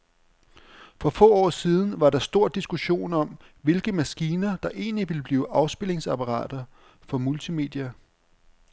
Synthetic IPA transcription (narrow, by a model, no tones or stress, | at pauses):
fɒ̽fɔ̰̽ːɒ̰ːsiːð̞ˠn̩ʋɑ̈ɾɑ̈sd̥o̝ɐ̰d̥isɡ̥uɕo̝̰ːnɒ̽m | ʋe̝lɡ̥əmæsɡ̥iːnɐd̥ɑ̈ʔe̝̰ːnliʋe̝ləb̥liːʊʔɑ̈ʊsb̥e̝le̝ŋsɑpʰɑʁɑ̰̈ːd̥ɐ | fɒ̽mult͡sʰime̝̰ːd̥iæ